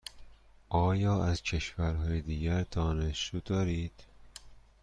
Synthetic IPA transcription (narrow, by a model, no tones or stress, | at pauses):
ʔɒːjɒːæzcʰe̞ʃvæɾɦɒːjed̪iːɡæɾd̪̥ɒːneʃuːd̪ɒːɾiːd̪̥